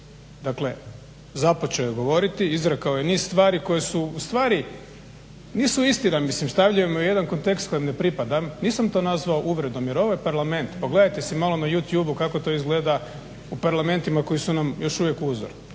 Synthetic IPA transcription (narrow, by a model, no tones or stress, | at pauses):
d̪akle̞ | zapot͡ʃejoɡo̞ʋo̞ɾit̪iizɾekaojeniːsst̪ʋaːɾiko̞jesuust̪ʋaːɾi | niːsuist̪inamislimst̪aʋʎujemuje̞d̪anko̞nt̪e̞kst̪ko̞jemnepɾipad̪amniːsamt̪o̞ːnazʋaoʔuʋɾe̞d̪o̞mjeɾo̞ʋojepaɾlame̞nt̪poɡle̞d̪ajt̪esimalˠo̞najut̪juːbukako̞t̪o̞izɡle̞ːd̪a | upaɾlˠame̞nt̪imako̞jisunamjo̞ʃuʋjekuzoɾ